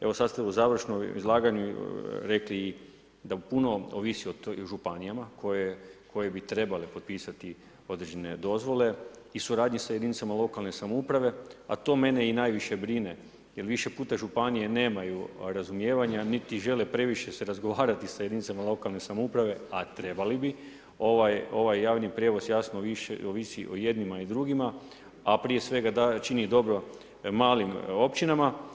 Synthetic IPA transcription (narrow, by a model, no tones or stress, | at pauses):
e̞ʋo̞sad̪st̪euzaːʋr̩ʃnoḭzlˠaːɡaɲuɾe̞kliː | d̪apuno̞oʋisiot̪ʒupanijamakojekʰo̞jebit̪ɾe̞balepot̪̚piːsat̪i | o̞d̪ɾed͡ʒene̞d̪o̞zʋo̞le̞isuɾaːd̪ɲisajed̪init̪samalˠo̞kalne̞samoupɾaʋe̞a̰t̪o̞ːme̞ne̞inaːjʋiʃe̞bɾine̞ | jelʋiʃe̞puːt̪aʒupanije̞ne̞ːmajuɾazumje̞ːʋaɲanit̪iʒe̞lepɾe̞ʋiʃe̞se̞ɾazɡo̞ʋaːɾat̪isajed̪init̪samalˠo̞kalˠne̞samoupɾaʋe̞at̪ɾe̞balibi | o̞ʋajo̞ʋajːaːʋnipɾjeʋo̞sjasnoʋiʃoʋisiʔoje̞d̪nimaid̪ɾuɡima | apɾije̞sʋe̞ɡad̪at͡ʃinid̪o̞bɾo̞ | maːlimo̞pt͡ʃinama